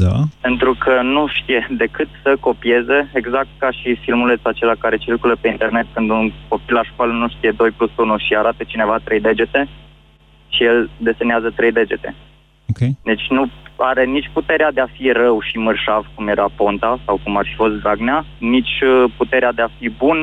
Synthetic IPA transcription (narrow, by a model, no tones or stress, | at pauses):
d̪ape̞nt̪ɾukʰənuʃt̪ije̞d̪e̞kɨt̪səko̞pie̞ze̞ːɡzak̚t̪̚kaʃifilmule̞t̪sat͡ʃe̞lakaɾe̞t͡ʃirkuləpe̞int̪e̞rne̞t̪̚kɨnd̪unko̞pilaʃkwalənuʃt̪ije̞d̪o̞jplusunuʃiaɾat̪ət͡ʃine̞vat̪ɾe̞jd̪e̞d͡ʒe̞t̪e̞ | ʃijeld̪e̞seneazət̪ɾe̞jd̪e̞d͡ʒe̞t̪e̞̰ | oked̪et͡ʃʲnuaɾe̞nit͡ʃʲput̪e̞ɾead̪e̞afirəwʃimɨrʃavkumje̞ɾapo̞nt̪asawkumaɾfifo̞st̪d̪ɾaɡneanit͡ʃʲput̪e̞ɾead̪eafibun